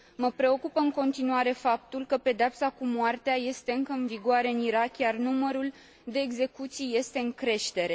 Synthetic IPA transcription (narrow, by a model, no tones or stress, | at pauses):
məpɾe̞o̞kupəɨŋko̞nt̪inuaɾe̞fap̚t̪ulkəpe̞d̪eapsakumoart̪eaje̞st̪e̞ɨŋkəɨnviɡoaɾe̞ɨniɾakjarnuməɾul | d̪e̞ːɡze̞kut̪sijje̞st̪e̞ɨŋkɾe̞ʃt̪e̞ɾe̞